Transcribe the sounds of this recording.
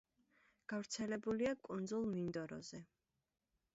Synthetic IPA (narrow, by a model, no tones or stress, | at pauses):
ɡ̥avɾt̪sʰɛlɛbuliakʼund̪zulˠmind̪ɔɾɔ̰zɛ